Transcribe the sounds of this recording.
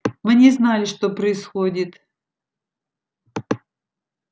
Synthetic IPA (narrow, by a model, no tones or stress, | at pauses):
mɨnʲɪznalʲɪʂt̪opɾəɪsxodʲɪt̪